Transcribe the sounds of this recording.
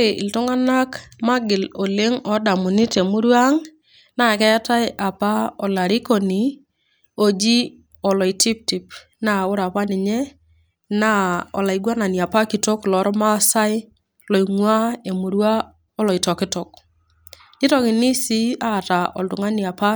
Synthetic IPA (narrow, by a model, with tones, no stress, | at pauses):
ɾe˨ʔɪ̰˨ltɔ˦ŋa˦na˦kma˦ɡɪ˨lo˨le˦ŋɔ˨da˨mʊ˨nɪ˦te˨mu˦ɾwa˦ŋ | na˨kɛ˦ja˦ta˦ɪ˦ʔa˨pa˦ɔ˨la˨ɾi˦ko˨ni˨ | o˨d͡ʒi˦ | ɔ˨lɔ˨i˨ti˦p̚ti˨p | na˦˨ʊ˦ɾa˨pa˦nɪ˨ɲɛ˦ | na˦ɔ̰˨la˨i˨ɡwa˦na˨ni˨a˨pa˦ki˨to˦klɔ˨˦ɾɔ˦ma˦sa˦ɪ˦ | lɔ˨i˨ŋwa˦e˨mu˨ɾwa˦ | ɔ˦lɔ˨i˨tɔ˨kɪ˦tɔ˨k̚ | ɪ˦tɔ˦kɪ˨ni˦si˦a˦˨ta˨ʔɔ̰˨ltʊ˨ŋa˦ni˨a˨pa˦